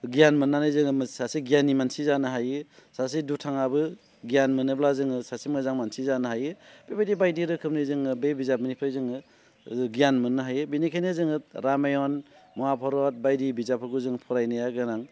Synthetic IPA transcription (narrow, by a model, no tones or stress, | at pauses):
ɡijanmɯnːanɯzɯŋɯmsasiɡjanimansizanɯɦajɯsas̬idutʰaŋabɯ | ɡijanmɯnɯblazɯŋɯsasimɯzaŋmansizanɯɦajɯb̥ebajdibajdiɾɯkʰɯmnizɯŋɯbebizap̚mɯnipʰɯjzɯŋɯ | ɡijanmɯnɯɦajɯbinikʰenezɯŋɯɾamajɔnmɔapʰɔɾɔt̚bajdibizapʰɯɾɡuzɯŋpʰɔɾajnajaɡɯnaŋ